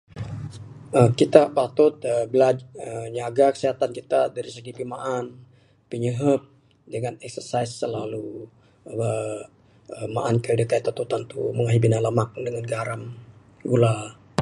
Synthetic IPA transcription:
əkit̪apat̪ʊt̪̚əbəlaəɲaɡakə̥siɦat̪ankit̪adaɾisəɡipimaʔan | piɲəɦəp̚ | dəŋanɛk̚sərsaisːəlalu | ə | əmaʔankadək̪ait̪ːat̪ut̪ant̪uməŋaɦibinanləmak̚dəŋanɡaɾam | ɡula

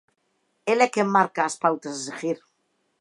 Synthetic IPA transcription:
elekemːaɾkaːspawt̪azsexiɾ

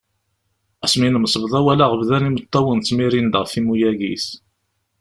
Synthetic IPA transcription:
æsminəmsˤəvðˤæwælaʁəvðænimət̪ˤːɑwənt͡sːmiɾind̪əʁθimujæɡḭs

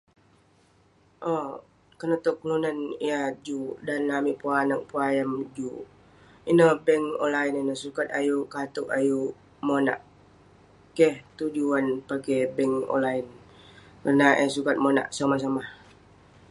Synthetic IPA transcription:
ʔɔ | kənət̪oklunaniad͡ʒudanlamiʔpuanak̚puajamd͡ʒu | inəbɛŋɔ̰nlaininəhsukat̪̚ajukat̪ʊʔaju | mona̰ʔ | kɛht̪ud͡ʒuanpakɛbɛŋɔ̰nlain | kərnaʔɛsukat̪̚mona̰ʔsamas̬amah

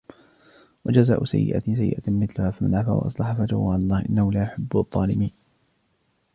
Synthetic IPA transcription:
wad͡ʒazaːʔʊsa̰jːɪ̰ʔa̰sajːɪ̰ʔamɪθlʊhaːfimalʕafa̰wa̰ʔɑ̰sˤlɑħafat̪ʊhwaʕalɑlˤːɑːhʔɪnːahʊlaːʔʊħabːʊðˤːɑːlɪmiːn

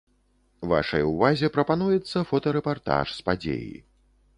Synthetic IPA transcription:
va̰ʂɐ̰juvazʲɛpɾɐpan̪ujɛt̪sːɐfɔt̪ɐɾɛpart̪a̰ʂspad͡zʲḛjḭ

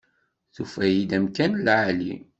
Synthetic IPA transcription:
θufæjid̪æmkænlʕali

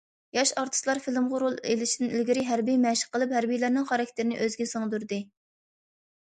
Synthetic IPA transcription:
jɑʃɑɾt̪ʰɨ̥slˠɑɾfilˠɪmʁʊɾulˠelɪʃid̪ɪnɪlɡʲiɾɪɦæɾbijmɛʃɪ̥qːəlˠɨphæɾbijlæɾnɪŋχɑɾɑk̚ʲt̪ʰeɾɪnɨ̰ʔøzɡʲɛsɨŋd̪yɾd̪ɨ

